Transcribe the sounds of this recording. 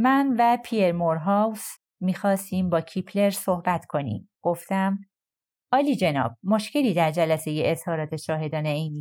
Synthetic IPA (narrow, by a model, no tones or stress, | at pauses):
mænvæpʰie̞ɾmoɾɦɒws | miːxɒːst̪iːmbɒːcʰipʰle̞ɾso̞hbæt̪kʰo̞nḭːmɡ̥o̞ft̪æm | ɒːliːd͡ʒe̞nɒ̰ːb̥̚moʃce̞liːd̪æɾd͡ʒælæse̞je̞ʔezhɒːɾɒːt̪ʰe̞ʃɒːɦe̞d̪ɒːneejniː